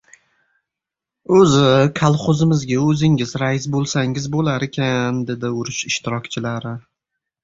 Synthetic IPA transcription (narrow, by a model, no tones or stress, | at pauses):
ɵzɪkʰalˠχʊzɪmɪzɡʲaɵzɪŋɪzɾaɪsbolˠsaŋɪzbolaɾekʲʰand̪e̞d̪ɪʊɾɪʃɪʃt̪ɪɾɒkʲt͡ʃʰɪlaɾɪ